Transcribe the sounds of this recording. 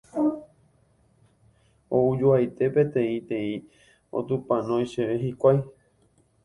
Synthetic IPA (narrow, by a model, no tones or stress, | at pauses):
oud͡ʒuajt̪e̞pẽ̞t̪ẽ̞ĩt̪ẽ̞ĩ | o̰t̪ũpãnõjʃeʋeɦikʷaj